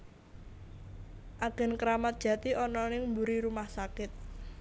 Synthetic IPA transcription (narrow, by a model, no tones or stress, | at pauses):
ʔaɡ̥ɛ̤nkɾamat̪̚d̥ʒ̥ä̤t̪iʔɔnɔnɪŋmbuɾiɾumahsakɪt̪̚